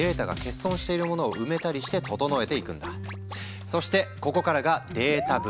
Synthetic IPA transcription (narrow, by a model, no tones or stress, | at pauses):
e̞ːt̪aɡa̰ke̞sːõ̞ɰ̃ɕi̥t̪e̞iɾɯ̟mo̞no̞ːʔɯ̟me̞t̪aɾʲiɕi̥t̪e̞t̪o̞t̪o̞no̞e̞t̪e̞ikɯ̟̃nd̪a | so̞ɕi̥t̪e̞ko̞ko̞kaɾaɡad̪e̞ːt̪ab